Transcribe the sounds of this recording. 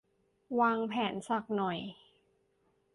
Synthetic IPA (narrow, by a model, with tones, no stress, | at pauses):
waː˧ŋpʰɛː˩˦nsa˨˩k̚nɔ˨˩j